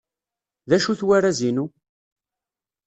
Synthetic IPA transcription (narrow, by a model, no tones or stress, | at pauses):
ðæʃuθwæɾæzinu